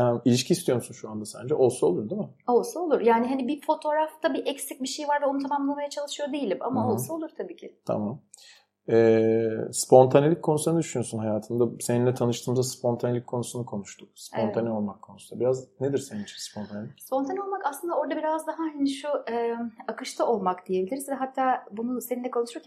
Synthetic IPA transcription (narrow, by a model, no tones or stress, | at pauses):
ɛmilʲiʃcʰiːst̪ʰijo̞ɾmsunʃuand̪asæ̰nd͡ʒɛʔo̞lˠsuo̞lˠuɾd̪imɪ | o̞lˠsuolˠuɾjaːniɦanibifo̞t̪ʰo̞ɾaft̪ʰabiʔɛcsic̚biʃe̞jvaɾvɛo̞nut̪ʰamamlˠamajat͡ʃʰalˠɯʃɯjo̞d̪ejilʲimamaolˠsuolˠuɾ̥t̪ʰabiːcʰɪt̪ʰa̰mam | ɛːspʰo̞nt̪ʰanelʲic̚kʰːo̞nusunɯd̪yʃynyjosunɦajaːt̪ʰɯnd̪aseninlʲɛt̪ʰanɯʃt̪ʰɯːmzaspʰo̞nt̪ʰanelʲicʲkʰːo̞nusunukʰo̞nuʃt̪ʰuk̚sp̪o̞nt̪ʰanio̞lˠmakʰːo̞nusunabiɾazned̪iɾsenint͡ʃʰi̥mspʰont̪ʰanlʲispʰo̞nt̪ʰanio̞lˠmakaslˠɯnd̪ao̞ɾd̪abiɾazd̪aɦaɦaniʃuɛːakɯʃt̪ʰaʔo̞lˠmakd̪̥ije̞bilʲiɾizvɛɦat̪ʰːaːbununseninʲɛkʰo̞nuʃujocʰʲ